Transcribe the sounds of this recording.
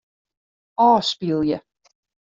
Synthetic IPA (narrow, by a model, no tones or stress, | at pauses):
ɔːspilˠjə